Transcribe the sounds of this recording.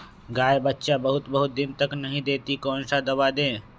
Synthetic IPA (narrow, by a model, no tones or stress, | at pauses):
ɡaːebətːʃabəɦʊt̪bəɦʊt̪̚d̪ɪnt̪əknɐɦĩd̪eːt̪ikɔːnsad̪ɐbad̪ẽː